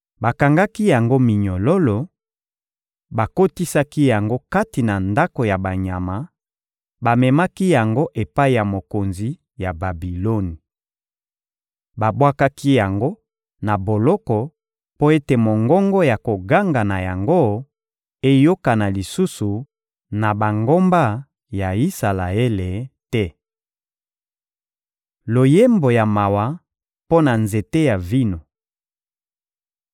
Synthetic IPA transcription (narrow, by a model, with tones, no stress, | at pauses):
ba˨ka˨ŋɡa˦ki˦ja˨ŋɡo˦mi˨ɲo˨lo˦lo˨ | ba˨ko˦ti˦sa˦ki˦ja˨ŋɡo˦ka˦ti˨na˨nda˦ko˨ja˨ba˨ɲa˨ma˨˦ | ba˨mɛ˨ma˦ki˦ja˨ŋɡo˦ʔe˨pa˦i˨ja˨mo˨ko˨nzi˨ | ja˨ba˨bi˨lo˦ni˨ | ba˨bwa˦ka˦ki˦ja˨ŋɡo˦ | na˨bo˨lɔ˦kɔ˨ | po˦e˦te˨mo˨ŋɡɔ˦ŋɡɔ˦ja˨ko˨ɡa˦ŋɡa˨na˨ja˨ŋɡo˦ | e˦jo˦ka˨na˨li˨su˦su˨ | na˨ba˨ŋɡo˦mba˦ | ja˨i˦sa˨la˨e˦le˨tɛ˦ | lo˨je˦mbo˨ja˨ma˨wa˨ | po˦na˨nze˨te˦ja˨vi˦no˨